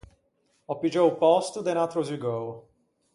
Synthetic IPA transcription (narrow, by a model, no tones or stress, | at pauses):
ɔpid͡ʒoʊpɔst̪ʊd̪enat̪ɾoziɡow